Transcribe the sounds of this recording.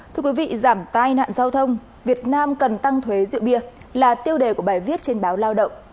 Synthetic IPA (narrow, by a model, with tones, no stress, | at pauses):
tt̪ʰɨ˧əkwi˨˦vḭ˧˨zaː˧˩mt̪aː˧jna̰ː˧˨nzaː˧wt̪ʰə˧wŋ͡m | vi˨˩ət̚naː˧mkə˨˩nt̪a˧ŋt̪ʰwe˨˦zḭ˧˨wɓi˧˩əlaː˨˩t̪i˧əwɗe˨˩ku˧˩əɓaː˨˩jvi˦˥ət̚t͡ɕe˧nɓaː˨˦wlaː˧wɗə̰˧˨wŋ͡m